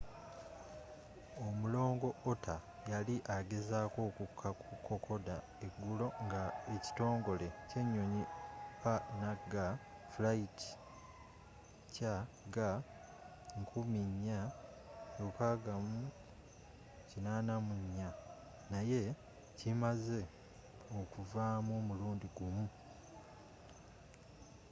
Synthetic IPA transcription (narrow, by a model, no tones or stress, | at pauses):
omulo̞ːŋɡo̞otʰa | jaliʔaɡe̞zaːko̞ːkukʰːakukːo̞kʰo̞da | eɡːulo̞ŋɡaeci̥to̞ːŋɡo̞le̞ce̞ɲːoɲipanaɡa | flaiti̥ | ca | ɡa | ŋkʰumiɲːa | lukaːɡamu | cinanamuɲːa | naje̞ | cimaze̞ | okuvaːmoːmuluːndiɡumu